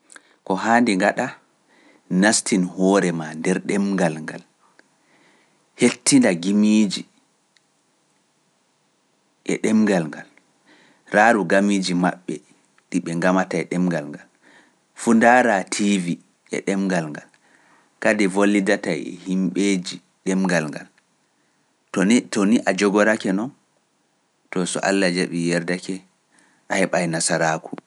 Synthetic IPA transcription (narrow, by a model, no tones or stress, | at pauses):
kɔɦaːndɛŋɡaɗa | nastinhɔːɾɛmandɛɾɗɛmɡalŋɡal | hetːindaɡimiːd͡ʒi | ʔɛ̰ɗɛmɡalŋɡal | ɾaɾuɡamiːd͡ʒima̰ɓːɛ | ɗiɓɛŋɡamatajɗɛmɡalŋɡal | fundaɾatʰivi | ʔɛ̰ɗɛmɡalŋɡal | kadɛvolːidatajɛ̰himɓed͡ʒi | ɗɛmɡalŋɡa̰l | tɔniʔad͡ʒɔɡɔɾakɛnɔn | tɔsɔ̰ʔa̰lːad͡ʒaɓijɛɾdakɛ | ʔahɛɓajnasaɾaːkʰu̥